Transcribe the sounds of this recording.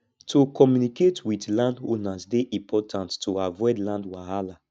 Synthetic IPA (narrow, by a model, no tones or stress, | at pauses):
tʰokɔmjuniketwitlãndõnasdeʔĩpʰɔtʰãntːoavɔɪdlãndwahala